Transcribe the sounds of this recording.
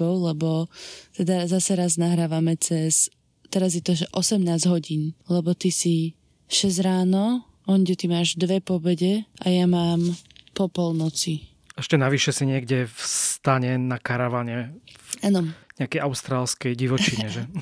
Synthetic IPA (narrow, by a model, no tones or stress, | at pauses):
ɔʊlɛbɔt̪ɛd̪azasɛɾaznaɦɾaːʋamɛt͡sɛs | t̪ɛɾazjɛt̪ɔʒɛʔɔsɛmnaːzɦɔɟiːnlɛbɔt̪isi | ʃɛzɾaːnɔ | ɔɲɟɛt̪imaːʒd̪ʋɛpɔbɛɟɛʔajamaːmpɔpɔlnɔt͡si | ɛʃcɛnaʋiʃɛsiɲɪɛɡɟɛfst̪aɲɛnakaɾaʋaɲɛanɔɲɛakɛjʔaʊst̪ɾaːlskɛjɟiʋɔt͡ʃiɲɛʒɛ